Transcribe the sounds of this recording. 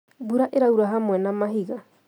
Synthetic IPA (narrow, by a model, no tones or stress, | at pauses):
buɾaʔeɾauɾaɦamwɛnamaɦiɣa